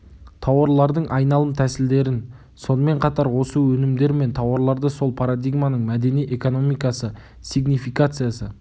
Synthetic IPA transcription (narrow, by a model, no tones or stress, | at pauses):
t̪ʰɑwɑɾlˠɑɾd̪əɴʔɑjnɑlˠəmt̪ʰæsɪld̪e̞ɾɪn | so̞nəme̞ɴqʰɑt̪ɑɾwo̞səwɵnɪmd̪e̞ɾme̞nt̪ʰɑwɑɾlˠɑɾd̪əso̞lˠpʰaɾad̪ijɡmanəɴmæd̪e̞nijʔe̞ko̞no̞mijkɑsə | siɡnifijkat̪sɨjasə